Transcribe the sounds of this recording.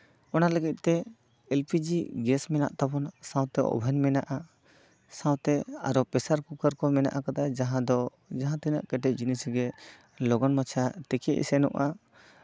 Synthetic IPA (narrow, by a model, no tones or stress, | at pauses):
ɔnaləɡit̪̚t̪ɛ | ɛlpʰid͡ʒiɡɛsmɛna̰ʔt̪abɔnsãw̃t̪ɛɔ̰bʱanmɛna̰ʔa | sãw̃t̪ɛaɾɔpɛsaɾkukaɾkɔmɛna̰ʔakad̪ad͡ʒaɦãd̪ɔ | d͡ʒaɦãt̪ɛna̰ʔkɛʈɛʔ̚d͡ʒinisɡɛ | lɔɡɔnmat͡ʃʰat̪ɛkɛʔḭsɛnɔ̰ʔa